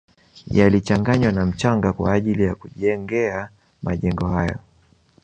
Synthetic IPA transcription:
jalit͡ʃaŋɡaɲwanam̩t͡ʃaŋɡakwa̰ːʄilijakuʄɛŋɡɛa | maʄɛŋɡɔhajɔ̰

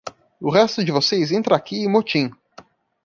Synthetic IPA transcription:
ʊɦɛst̪ʊd͡ʒɪvosejzẽnt̪ɾɐakʲiɪ̃mot͡ʃĩ

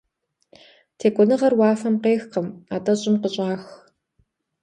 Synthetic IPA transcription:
tʰeːkʷʼɔnɨʁɐrwaːfɐmqeːxqəmaːtʼɐɕʼɪmqəɕʼaːx

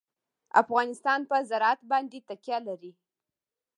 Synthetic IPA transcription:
a̰fɣɑnɪst̪ɑnpəzaɾɑat̪bɑnd̪et̪akjɑlaɾi

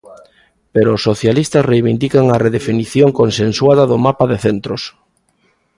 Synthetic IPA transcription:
peɾoːsːoθjalist̪ɐsrejβind̪ikaŋɐreðefiniθjoŋkonsenswaðɐðʊmapaðeθent̪ɾʊs

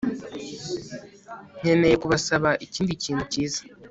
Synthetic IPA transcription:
n̥e̞ne̞jekuβasaβaʔiciːndiciːn̥huciːza

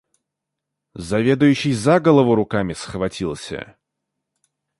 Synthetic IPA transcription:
zɐvʲe̞d̪ʊjʉɕːɪjzaɡəlˠəvʊɾʊkamʲɪsxvɐtʲilˠsʲə̰

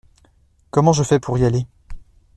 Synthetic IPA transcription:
kɔmɑ̃ʒəfɛpʰuʁiale

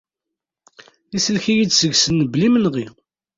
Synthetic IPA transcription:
isəlçijidsəɡsənːəblimənʁi

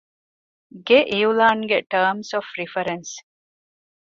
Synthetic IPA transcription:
ɡeʔiulaːŋɡeʈəːmsofɾifɐɾens

